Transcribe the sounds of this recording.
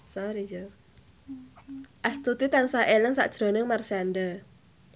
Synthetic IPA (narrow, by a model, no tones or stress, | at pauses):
sɔɾid͡ʒo | ʔast̪ut̪it̪ansaʔeləŋsa̰ʔd̥ʒ̥ɾo̤nɪŋmarsiand̪ə